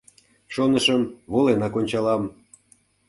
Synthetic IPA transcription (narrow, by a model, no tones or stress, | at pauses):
ʃonəʃəmβolenɑkonʲt͡ɕɑlɑm